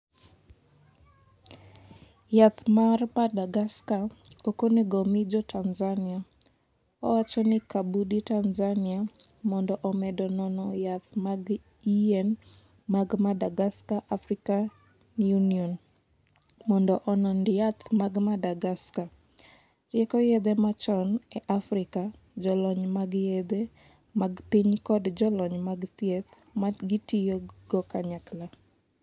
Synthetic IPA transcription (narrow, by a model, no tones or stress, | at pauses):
jat̪maɾpadaɡaska | okoniɡɔmid͡ʒɔtʰanzania | ɔwat͡ʃɔnɪkabuditanzaniamɔndɔʔɔmɛdɔnɔnɔjat̪maɡ | iɛn | maɡmadaɡaskaʔafɾika | njunion | mɔndɔʔɔnɔndɪjat̪maɡmadaɡaska | rɪɛkɔjed̪emat͡ʃɔneʔafɾɪka | d͡ʒɔlɔɲmaɡjed̪e | maɡpiɲkɔdd͡ʒɔlɔɲmaɡt̪jet̪ | maɡitijoɡɔkaɲakla